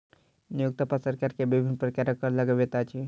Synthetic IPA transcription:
nijuk̚t̪apasəɾkaːɾkebɪbʱɪnpɾəkaɾəkəɾləɡəʋet̪at͡ʃʰe

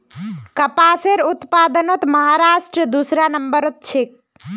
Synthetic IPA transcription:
kəpaseɾut̪pad̪ənot̪məɦaɾaʃʈɾəd̪usɾanəmbəɾot̪̚t͡ʃʰek̚

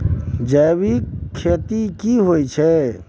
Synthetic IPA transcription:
d͡ʒəbikʰːet̪ikiɦojt͡ʃʰɛ

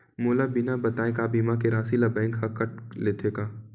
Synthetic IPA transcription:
moːlabinabɐt̪aːẽkaːbiːmakeɾaːsilabɛ̃ːŋkɦɐkɐʈ̚leːt̪ʰeɡaː

